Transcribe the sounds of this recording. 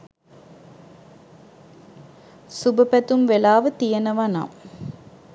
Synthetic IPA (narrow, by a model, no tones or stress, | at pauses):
subɐpɐt̪umʋelaːʋət̪ijɐnɐʋɐna̰ːm